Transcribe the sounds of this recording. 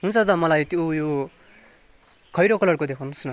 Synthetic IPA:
ɦunt͡sʰʌd͡z̪ʌmʌlajt̪jojo | kʰʌjɾokʌlʌrkod̪ekʰawnusnʌ

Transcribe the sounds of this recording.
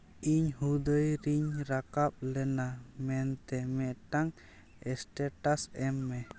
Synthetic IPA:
iɲhud̪əjɾiɲɾakap̚lɛnamɛnt̪ɛmɛʔʈaŋ | ɛsʈɛʈasɛmːɛ

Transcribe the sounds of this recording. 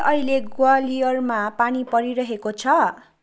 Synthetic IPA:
ʔʌɦileɡwalijʌrmapanipʌɾiɾʌɦekot͡sʰʌ

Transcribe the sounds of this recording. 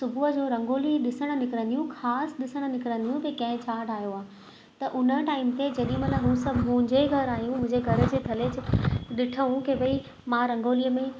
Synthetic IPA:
sʊbʱuɦəd͡ʑoːɾɐ̃ŋɡoːliɗɪsəɽ̃ə̆nɪkɪɾə̃nd̪ijũxaːsɗɪsəɽ̃̆nɪkɾə̃nd̪ijũt̪ekɐ̃ɦɪ̃t͡ɕʰaːɖaːɦjoaː | t̪ɐʔʊnəʈaːɪmt̪ed͡ʑɐɗĩmɐt̪ləbɦusɐbʱmʊ̃ɦɪ̃ɲd͡ʑeɡʱɐɾaːɦjũmʊ̃ɦɪ̃ɲd͡ʑeɡʱɐɾ̆d͡ʑeːt̪ʰɐlet͡ɕɗɪʈʰəɦũkebɐi | mãɾɐ̃ŋɡoːliːəmẽ

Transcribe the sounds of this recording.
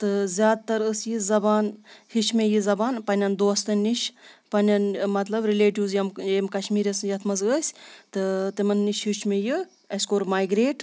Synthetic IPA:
t̪ɨzʲaːd̪̚t̪ɐɾəsjizɐbaːnhit͡ʃʰmejizɐbaːnpɐnʲɐnd̪oːst̪ɐnʲːiʃpɐnʲɐnmɐt̪lɐbɾileːʈiwzjɐmjemkɐʃmiːɾʲɐsjɐt̪ʰmɐzəsʲt̪ɨt̪imɐnːiʃhit͡ʃʰmeji | ɐsʲkoːɾmaːjɡɾeːʈ

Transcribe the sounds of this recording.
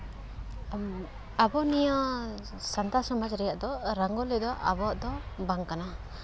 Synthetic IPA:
abɔnijɔ | sant̪asɔmad͡ʒɾɛjaʔd̪ɔɾaŋɡɔlɛd̪ɔʔa̰bɔʔd̪ɔbaŋkana

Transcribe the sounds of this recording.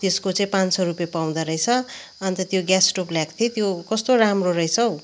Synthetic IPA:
t̪eskot͡sʌĩpãnsʌɾupjepaw̃d̪aɾʌjt͡sʰʌʌnit̪ʌt̪joɡjasʈopljakt̪ʰit̪jokʌst̪oɾamroɾʌjt͡sʰʌw

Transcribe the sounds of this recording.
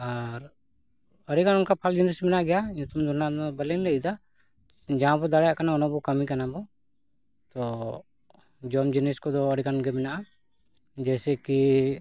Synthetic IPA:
aɾ | əɾikanunkapʰald͡ʒinɛsmɛnaʔɡɛjajũt̪umd̪ʱɔnad̪ɔbəlɛnlɛid̪a | d͡ʒaãbɔd̪aɽajaʔkanaɔnabɔkəmikanabɔ | t̪ɔ | d͡ʒɔmd͡ʒinɛskɔd̪ɔːɾikannɡɛmɛnaʔa | d͡ʒɛsɛki

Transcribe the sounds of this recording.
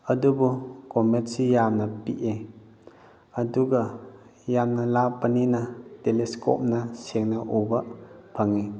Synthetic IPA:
ɐdubukɔmesijamnɐpiʔe | ɐduɡɐjamnɐlapːɐninɐtelesko̰p̚nɐseŋnɐʔobɐpʰaŋe

